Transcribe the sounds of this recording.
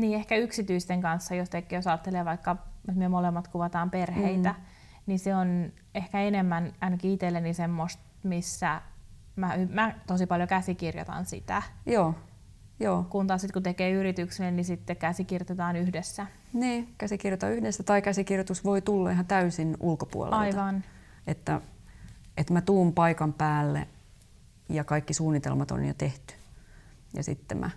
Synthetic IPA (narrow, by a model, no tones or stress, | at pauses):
niːehkæyksit̪yist̪eŋkɑnsːɑjost̪ekːijosɑːt̪ːeleːʋɑikːɑut̪myømolemːɑt̪kuʋɑt̪ɑːmperheit̪æ | niseon | ehkæenemːænænkiːt̪elːenːisemːost̪misːæ | mæymæt̪osipɑljokæsikirjo̰t̪ɑ̰nsḭt̪æ̰joː | joːkunt̪ɑːsit̪kut̪ekeːyrit̪yksennisit̪ːekkæsikirjot̪et̪ɑːnyhdesːæ | niːkæsikirjot̪ɑ̰yhdesːæt̪ɑikæsikirjot̪usʋoit̪ulːɑiɦɑnt̪æysinʔulkopṵo̰l̰ɑit̪ʋɑn | et̪ːæ | ʔet̪mæt̪uːmpɑikɑmpæːlːḛ | jɑkɑikːisuːnːit̪ḛlmɑt̪o̰njo̰t̪eht̪y̥ | jɑ̰sḭt̪ːḛmʔæ̰